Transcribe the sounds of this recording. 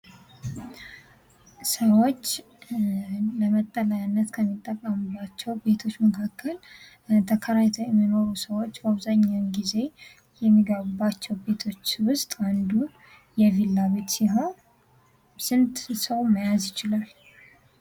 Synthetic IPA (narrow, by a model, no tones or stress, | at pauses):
səwo̞t͡ʃː | ləmət̪ʼːəlajnːət̪kʰəmːit̪ʼːəkʼːəmɨbːat͡ʃːɛwbe̞t̪ʰo̞t͡ʃːməkʰakʰːəl | t̪ʰəkʰəɾajt̪ʰəjɛmːino̞ɾusəwot͡ʃːbaβzaɲːawnɡize̞ | jɛmːiɡəβubːat͡ʃːɛwbe̞t̪ʰo̞t͡ʃːwʊst̪ʼand̪un | jɛvilːaβe̞t̪siɦo | sɨnt̪səwməjazjɪt͡ʃɪlal